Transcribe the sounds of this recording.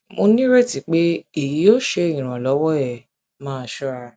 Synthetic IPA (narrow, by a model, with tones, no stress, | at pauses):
mo˧nĩ˦ɾe˦ti˨k͡pe˦i˦˨ji˨˦jo˦ʃe˧ĩ˦˨ɾ̃ã˨lɔ˨˦wɔ˦ɛ˨ | mãː˦˧˨ʃɔ˦ɾa˧